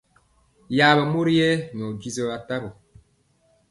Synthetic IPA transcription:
ja˨βa˨mo˦ɾi˦jɛ˦n˨ɔ˨d͡ʒi˦zɔ˦βa˨ta˦bo˨

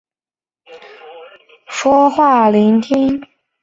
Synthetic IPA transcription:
ʂwɔ˥xwa˥˩li˧˥nt̪ʰi˥ŋ

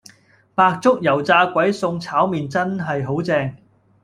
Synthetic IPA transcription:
paː˧k̚t͡sʊ˥k̚jɐ˨˩wt͡saː˧kʷɐ˨˥jsʊ˧ŋt͡sʰaː˨˥wmiː˨nt͡sɐ˥nɦɐ˨jɦo˨˥wt͡sɛː˧ŋ

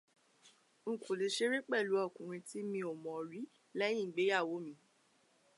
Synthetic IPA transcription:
ŋ̩˨ku˨li˨ʃe˦ɾi˦k͡pɛ˦˨lu˨˦ɔ˦˨kũ˨ɾ̃ĩ˧ti˦mĩ˧o˨mɔ̃˨ɾi˨˦ | lɛ˦j̃ĩ˦˨ɡ͡be˨˦ja˦˨wo˨˦mĩ˧˦

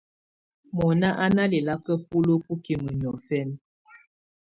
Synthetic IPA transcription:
mɔ˨na˦ʔa˦na˦li˨la˦kə˦p̚u˦lo˦pu˦ki˨mə˨ɲ˨ɔ˨fɛ˦n

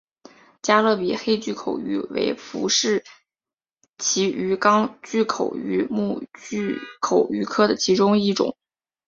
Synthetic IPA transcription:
t͡ɕja˥lɤ˥˩pi˨˩xe˥ɪt͡ɕy˥˩kʰo˨˩ʊy̰˧˥wḛ˧˥ɪfṵ˧˥ʂɻ̩˥˩ | t͡ɕʰi˧˥y˧˥kɑ˥ŋt͡ɕy˥˩kʰo˨˩ʊy˧˥mu˥˧t͡ɕy˥˧kʰo˨˩ʊy˧˥kʰɤ˥d̪ə˨t͡ɕʰi˧˥ʈ͡ʂʊ˥ŋi˥˩ʈ͡ʂʊ̰˨˩˦ŋ

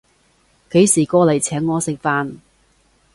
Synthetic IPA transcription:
ke˨˥jsiː˨˩kɔː˧lɐ˨˩jt͡sʰɛː˨˥ŋːɔː˨˧sɪ˨k̚faː˧n

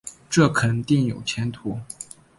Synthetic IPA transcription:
ʈ͡ʂɤ˥˩kʰə˨˩nt̪i˥˩ŋjo̰˨˩ʊt͡ɕʰjɛ˧˥nt̪ʰu˧˥

